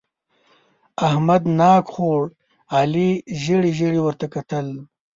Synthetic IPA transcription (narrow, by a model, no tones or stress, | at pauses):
ahmad̪nɑːkχoːɽ | aːliʒəɽiʒəɽiwəɾt̪akat̪əl